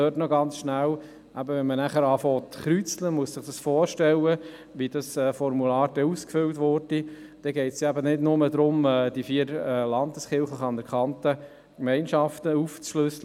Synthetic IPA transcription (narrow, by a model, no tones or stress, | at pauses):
øːtnɔɡɑnt͡sʃnæw | ʔæbəʋɛnmənæχəɾɑːfɔːt̪χɾyt͡sləmuəssɪχd̥ɑsfɔːɾʃtɛlːə | ʋid̥ɑsɛːfɔɾmulɑːɾd̥ɛuskfʏltʋɔɾd̥i | d̥ɛɡɛɪtsjɑæbənɪdnʊməd̪ɾʊmɛːd̥ifiːəɾɛːlɑnd̪əsχɪlχləχɑnəɾkʰɑntə | kmɛnʃɑftəuft͡sʃløslə